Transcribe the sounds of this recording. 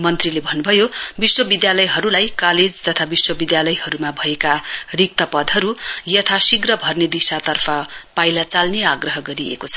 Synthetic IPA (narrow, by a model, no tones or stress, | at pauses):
mʌnt̪rilebʱʌnːubʱʌjobiswʌbid̪jalʌjɦʌɾulajkaled͡zt̪ʌt̪ʰabiswʌbid̪jalʌjɦʌɾumabʱʌekarik̚t̪ʌpʌd̪ʱɦʌɾujʌt̪ʰasiɡrʌbʱʌrned̪isat̪ʌrpʰʌpajlat͡salneaɡrʌɦʌɡʌɾiḛkot͡sʰʌ̥